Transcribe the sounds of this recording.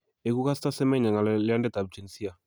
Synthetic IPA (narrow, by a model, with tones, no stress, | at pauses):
e˨ku˦ka˦sta˦sɛ˦mɛ˦ɲa˨ŋɡa˨llɪ˦a˦ndɛ˦ta˨b̚d͡ʒɛ˨nsi˦a˨